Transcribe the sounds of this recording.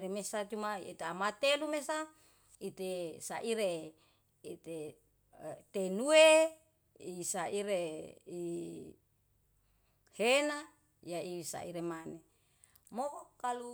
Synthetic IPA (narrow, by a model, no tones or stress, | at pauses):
ɾemesat͡ʃ̪umaḭt̪eamat̪elumesa | it̪esaʔiɾe | it̪e | t̪enue | isaʔiɾei | hena | jaisa̰ʔiɾemane | mokalu